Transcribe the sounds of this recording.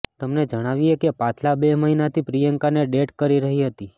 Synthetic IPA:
t̪əmned͡ʒəɽ̃aʋiekepãt̪ʰlabeməɦinat̪ʰipɾijəŋkaneɖeʈkəɾiɾəɦiɦət̪i

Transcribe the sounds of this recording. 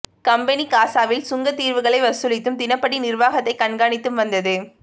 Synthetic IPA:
kɐmbɐnikaːsaːʋɪlsʊŋɡɐt̪ːiːɾʋɯɣɐɭɐɪʋɐsɯlɪt̪ːɯmt̪ɪnɐpːɐɽinɪrʋaːɣɐt̪ːɐɪkɐɳɡaːɳɪt̪ːɯmʋɐnd̪ɐðɯ

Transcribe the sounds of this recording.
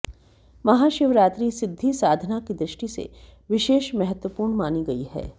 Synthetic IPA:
mɐɦaːʃɪʋɾaːt̪ɾisɪd̪ʱːisaːd̪ʱnakid̪ɾɪʃʈisḛʋɪʃeːʃmɛɦət̪wəpuːɾɳmaːniɡɐiɦɛ̰ː

